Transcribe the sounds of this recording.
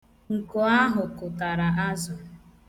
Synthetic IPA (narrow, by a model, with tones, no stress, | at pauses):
ŋ̩˨kʊ˨a˦ɦʊ˨kʊ˨ta˨ɾa˨a˦zʊ˨